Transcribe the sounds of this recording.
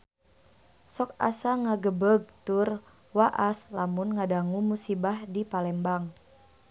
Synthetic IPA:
sɔka̰saŋaɡəbəɡ̚t̪ur | waʔaslamunŋadaŋumusibahdipalɛmbaŋ

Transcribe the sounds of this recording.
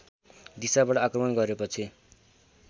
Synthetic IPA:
d̪isabaʈʌakrʌmʌnɡʌɾepʌt͡sʰi

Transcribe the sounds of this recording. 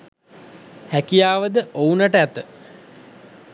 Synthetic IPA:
hækijaːʋəd̪əʔounaʈəæt̪ə

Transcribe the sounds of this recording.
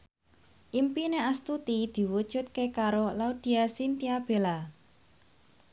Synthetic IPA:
ʔimpineast̪ut̪id̪̥i̤wud̥ʒ̥ʊ̤t̪̚kekaɾolaud̪̥i̤asint̪iab̥e̤la

